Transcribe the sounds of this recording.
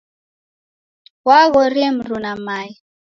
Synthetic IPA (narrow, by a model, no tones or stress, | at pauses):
waɣɔɾim̩ɾunamaji